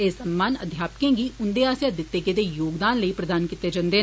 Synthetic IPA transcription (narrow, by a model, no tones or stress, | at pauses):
eːsəmːaːnə̰d̪ʱjaːpəkẽːɡiʊnd̪eaːsjad̪ɪt̪ːɪkẽd̪ejoːɡd̪aːnləipɾəd̪aːnkit̪ːed͡ʒãnd̪eː